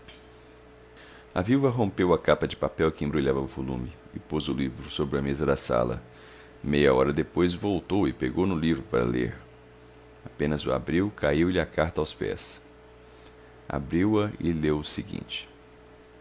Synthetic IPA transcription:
ɐviwvɐɦõmpewɐkapɐd͡ʒɪpapɛwkɪẽbɾuʎavɐʊvolṵ̃mɪ | ɪpozʊlivɾʊsobɾɪɐmezɐd̪ɐsa̰lɐ̰ | mejɐɔɾɐd̪epojzvowt̪owɪpeɡownʊlivɾʊpaɾɐ̰lḛɾ | apẽnɐzʊa̰bɾiwkʰaiwlʎɪakaɾt̪ɐawspɛ̰s | a̰bɾiwɐɪlewʊsɪɡḭ̃nt͡ʃɪ̥

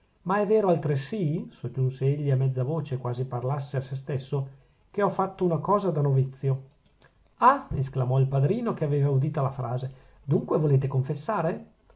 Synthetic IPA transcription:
maɛvːeːɾoalt̪ɾesisod͡ʒːunseeʎːiamɛd̪zːavoːt͡ʃekwaːziparlasːeasest̪esːo | keɔfːat̪ːounakɔːzad̪anovit̪sːjo | aesklamɔilpad̪ɾiːnokeaveːvaud̪iːt̪alafɾʔa̰ːze | d̪uŋkwevoleːt̪ekoɱfesːaːɾe

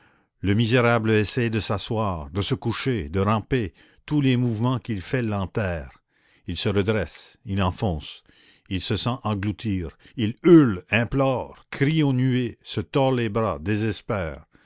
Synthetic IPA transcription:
ləmizeʁablesɛjd̪əsaswaːʁd̪əsəkuʃed̪əʁɑ̃pe | t̪ulemuvmɑ̃kilfɛlɑ̃t̪ɛːʁ | ilsəʁəd̪ʁɛsilɑ̃fɔ̃s | ilsəsɑ̃ʔɑ̃ɡlut̪iːʁilylɛ̃plɔːʁkʁionyesət̪ɔlebʁad̪ezɛspɛːʁ

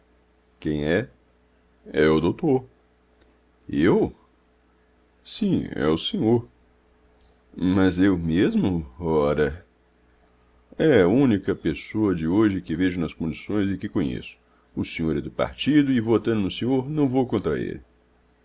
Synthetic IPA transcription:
kẽj̃ɛ | ɛʊd̪owt̪oɾ | ew | sĩɛ̰ʊsẽɲoɾ | mɐzewmezmʊɔɾɐ | ɛɐũnikɐpesoɐd͡ʒɪoʒɪkɪveʒʊnɐskõd͡ʒisõj̃zɪkɪkõɲḛsʊ̥ | ʊsẽɲoɾɛd̪ʊpa̰ɾt͡ʃid̪ʊɪvot̪ɐ̃nd̪ʊnʊsẽɲoɾnɐ̃w̃vowkõnt̪ɾɐ̰ḛlɪ

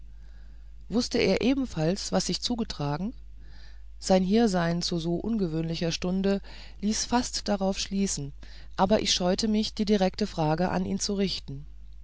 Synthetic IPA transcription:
vʊstəʔeːɐʔeːbm̩falsv̥asz̥ɪçt͡suːɡətʁ̥aːɡŋ̩ | z̥aɪnɦiːɐzaɪnt͡suːzoːʔʊnɡəvøːnlɪçɐʃtʊndə | liːsfastd̥aʁaʊfʃliːsn̩ | ʔaːbɐʔɪ̰çʃɔʏtəmɪçd̥iːdiʁɛktəfʁ̥aːɡəʔa̰niːnt͡suʁɪçtn̩

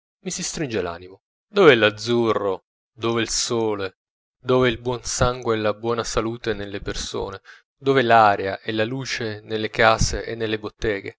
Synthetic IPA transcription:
misist̪ɾind͡ʒela̰ːnimo | d̪oːveɛlːad̪zːurːo | d̪oːveilsoːle | d̪oːveilbwɔnsaŋɡweɛlabwɔːnasaluːt̪enelːeperso̰ːne | d̪oːvɛlaːɾeaʔɛlaluːt͡ʃenelːekaːseʔenːelːebot̪ːɛːɡḛ

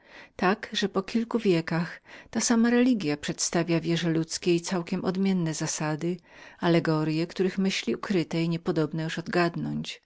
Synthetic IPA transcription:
t̪akʐɛpɔkʲʰilkuvʲjɛkaxt̪asamaɾɛlʲiɡʲjapʂɛt̪st̪avʲjavʲjɛʐɛlut̪skʲeit̪sawkʲɛmʔɔd̪mʲjɛnːɛzasad̪ɘ | alɛɡɔɾjɛkt̪uɾɘxmɘɕlʲiukɾɘt̪ɛiɲɛpɔd̪ɔbnɛjuʂɔd̪ɡad̪nɔɲt͡ɕ

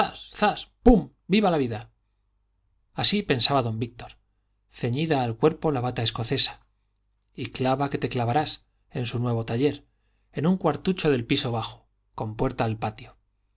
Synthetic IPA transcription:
asθaspum | biβalaβiða | asipe̞nsaβaðo̞mbik̚t̪oɾ | θe̞ɲiðaːlkwe̞ɾpo̞laβat̪aesko̞θe̞sḁ | iklaβake̞t̪e̞klaβaɾas | e̞nsunwe̞β̞o̞t̪aʎe̞ɾ | e̞nuŋkwaɾt̪ut͡ʃo̞ðe̞lpiso̞β̞axo̥ | ko̞mpwe̞ɾt̪aːlpat̪jo

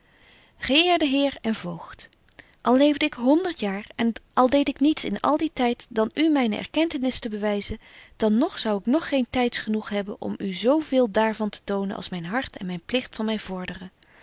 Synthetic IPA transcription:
χəɪːɹdəɦɪːɹɛnvowχt | ʔɑlˠlejvdəɪkɦɔndəɹtjaːɹɛnʔɑlˠdejtɪknitsɪ̰nɑ̰lˠditɛjtd̥ɑnymɛjnə̰ʔɛ̰ɹkɛntənɪstəbəʋɛjzəd̥ɑnːɔχsɑwɪknɔχːejntɛjtsχənuχɦɛbənʔɔ̰myzowvɪːlˠdaːɹvɑntə̥townənʔɑ̰lˠsmɛjnɦɑɹtɛ̰nmɛjnplɪχtfɑnmɛjv̥ɔɹdərə

